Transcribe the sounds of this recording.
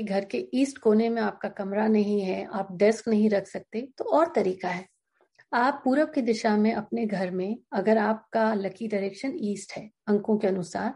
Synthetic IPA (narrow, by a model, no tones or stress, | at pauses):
ɡʱɐɾkeiːsʈkoːnemẽaːp̚kakɐmɾanɐɦĩɦɛaːp̚ɖɛsknɐɦĩɾɐkʰsɐk̚t̪et̪oɔːɾt̪ɐɾiːkaɦɛː | aːpːuːɾəʋkid̪ɪʃamẽʔɐpneɡʱɐɾmẽɐɡəɾaːp̚kalɐkiɖaɾeːkʃəniːsʈɦɛː | ɐ̃ŋkõkeɐnʊsaːɾ